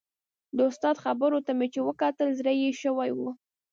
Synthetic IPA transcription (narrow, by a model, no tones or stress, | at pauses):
d̪əʊst̪ɑd̪xabəɾot̪amet͡ʃewəkɑt̪əlzɾəjeʃəwajwu